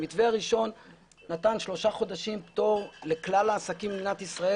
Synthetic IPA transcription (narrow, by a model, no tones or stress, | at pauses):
mit̪veaʁiʃo̞nː | at̪anʃlo̞ʃaχo̞d̪aʃimpt̪o̞ʁle̞klalaːsakiminat̪isʁae